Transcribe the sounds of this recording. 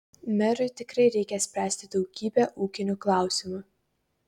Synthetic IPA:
mʲɛɾʊɪt̪ʲɪkɾɐɪɾʲɛɪkʲɛsʲpʲɾʲæːsʲt̪ʲɪd̪ɒʊɡʲiːbʲɛʔuːkʲɪnʲʊklˠɑˑʊsʲɪmʊ

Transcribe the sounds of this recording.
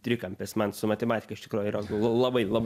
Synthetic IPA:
t̪ʲɾʲɪkɐmʲpʲeːsmɐnsʊmɐt̪ʲɛmɑːt̪ʲɪ̥kɐɪʃt̪ʲɪkɾuːjʊiːɾɐlˠɐlˠɐbɐɪlˠɐb

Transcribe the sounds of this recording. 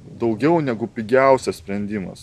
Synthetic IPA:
d̪ɒʊɡʲɛʊnʲæɡʊpʲɪɡʲæˑʊsʲɛssʲpʲɾʲɛnʲd̪ʲiːmɐ̰s

